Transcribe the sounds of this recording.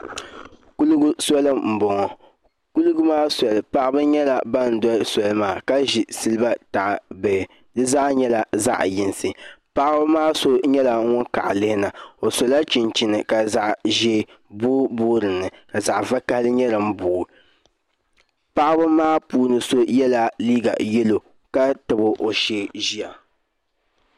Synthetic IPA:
ku˦lɡu˦sɔ˦lɨ˦m̩˨bɔ˨ŋɔ˨ | ku˦lɡʊ˦maː˦sɔ˨lɨ˨pa˦ʔbɨ˦ɲɛ˦la˨ba˦n̩˨˦dɔ˦lsɔ˨lɨ˦maː˨ka˦ʒi˨sɨ˦lɨ˦ba˦ta˨ʔbɛ˨ | dɨ˦zaː˦ɲɛ˦la˨za̰˦ʔjɪ˨nsɨ˨pa˦ʔa˦ba˦maː˦so˦ɲɛ˦la˨˦ŋʊ˦nka̰˨ʔlɨ˦hɪ˦na˨o˨so˨la˦t͡ʃi˨nt͡ʃi˨nɨ˨ka˨za˨ʔʒe˦ | bo˦boː˦ɾɨ˨nːɨ˨ka˨za˨ʔva˦ka˦hlɨ˦ɲɛ˦lɨ˨m̩˦boː˨ | pa˦ʔbʊ˦maː˦puː˦nɨ˨so˦jɛ˦la˨liː˦ɡa̰˨jɛ˦lo˨ | ka˦tɨ˨bʊ˦ʔo˨ʃe˦ʒi˦a˨

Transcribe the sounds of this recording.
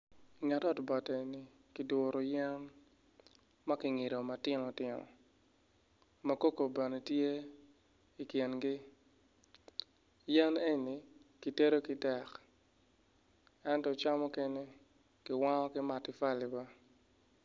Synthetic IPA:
ŋa˨tɔ˦tbɔ˨te˨ni˨ | kɪ˨dwɔ˨ɾo˨jɛ˦n | ma˦kɪ˨ŋe˨ɾo˨ma˨tɪ˦nɔ˨tɪ˨nɔ̰˨ | mɐ˦ko˦ko˨be˨ne˨tje˦ | i˨kje˨nɡɪ˦ | jɛ˦ne˦ni˨ki˨te˦ɾo˦kɪ˨tɛ˨k | ɛ˦ntɔ˨t͡ʃa˦mɔ˦ke˦ne˦ | kɪ˨wa˦ŋɔ˦kɪ˦ma˨tɪ˨fa˦li˨ba˦

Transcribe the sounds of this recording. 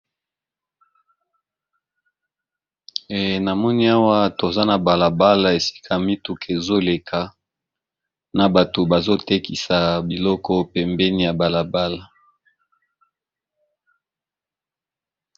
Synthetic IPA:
e˨na˨mɔ˦ni˦a˦wa˦to˨za˦na˨ba˨la˨ba˦la˨e˨si̥˦kʰa˨mi˦tu˨ke˨zo˦le˨kʰa˨ | na˨ba˨to˨ba˨zo˦te˦ki˨sa˨bi˨lɔ˦kɔ˦pɛ˨mbɛ˦ni˨ja˨ba˨la˨ba˦la˨

